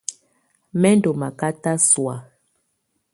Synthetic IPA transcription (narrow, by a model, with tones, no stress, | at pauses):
mɛ˦n˦do˨ma˨ka˦ta˦swa˨